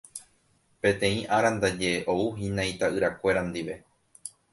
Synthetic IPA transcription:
pẽ̞t̪ẽ̞ĩʔaɾand̪ad͡ʒe̞ʔouɦĩnãjt̪aʔɨɾakʷe̞ɾand̪iʋe̞

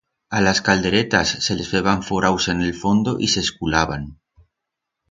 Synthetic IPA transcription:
alaskald̪e̞ɾet̪asːe̞lezβeβaɱfoɾawsene̞lfo̞nd̪o̞ʔiseskulaβan

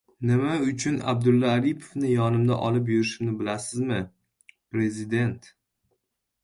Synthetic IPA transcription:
nɪmaʊt͡ʃʰʊna̰b̚d̪ʊlːaːɾipʰo̥fnɪjɒnɪmd̪a̰ʔɒlɪp̬jʊɾɪʃɪmnɪbɪlasɪzmɪ | pɾe̞zɪd̪e̞nt̪

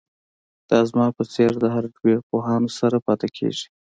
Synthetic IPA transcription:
d̪̥ɑzmɑpət͡seɾd̪əɦaɾɖweɾpoɦɑnosaɾapɑt̪akʰḛʒi̥

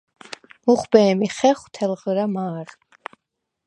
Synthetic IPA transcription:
muχbɛːmiχɛχwt̪ʰɛlʁɾamaːɾ

